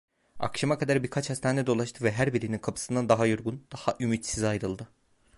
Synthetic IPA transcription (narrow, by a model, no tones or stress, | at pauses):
a̰kʃamakʰad̪aɾbiɾkʰat͡ʃʰhast̪ʰaːnɛd̪o̞lˠaʃt̪ʰɯvɛɦæɾbiɾininkʰapʰɯ̥sɯnd̪and̪aɦajuɾɡund̪̥ahaʔymyt̪sizajɾɯlˠd̪ɯ